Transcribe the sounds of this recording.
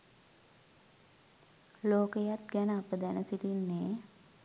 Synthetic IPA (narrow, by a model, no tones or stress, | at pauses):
loːkəjat̪̚ɡænəapəd̪ænəsitinːeː